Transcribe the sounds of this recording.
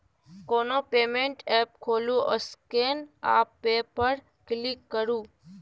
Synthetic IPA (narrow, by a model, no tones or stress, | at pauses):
konopemeɳʈɛp̚kʰolũʔə̰skena̰pːepəɾ | klikːəɾũː